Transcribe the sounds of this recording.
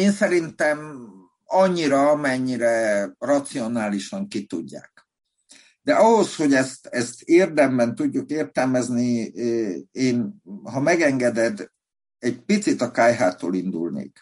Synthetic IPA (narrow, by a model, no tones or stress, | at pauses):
eːnsɛɾint̪ɛm | ɒɲːiɾɒɒmɛɲːiɾɛrɒt̪sio̞naːliʃɒŋkit̪ṵɟːa̰ːk | d̪ɛʔɒɦo̞sho̞ɟɛst̪ɛst̪eːrd̪ɛmbɛnt̪uɟːukeːrt̪ɛlmɛzni | eːnɦɒmɛɡɛŋɡɛd̪ɛd̪ | ɛɟpit̪sit̪ɒkaːjɦaːt̪ːo̰ːlind̪ṵlnḛːk